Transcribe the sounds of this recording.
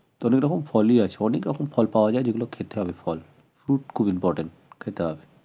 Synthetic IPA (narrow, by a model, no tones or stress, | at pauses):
t̪ɔnekɾɔkʰomfɔliat͡ɕʰeɔnekɾɔkʰomfɔlpaoad͡ʑaed͡ʑeɡulokʰet̪eɦɔbefɔl | fɾuʈ̚kʰubimpɔɾʈeɳʈkʰet̪eɦɔbe